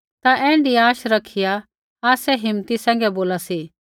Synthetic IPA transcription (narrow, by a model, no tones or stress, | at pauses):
t̪aʔɛ̃ːɳɖiaːʃɾɐkʰija | aːsɛɦɪmt̪isɛ̃ːŋɡɛboːlasi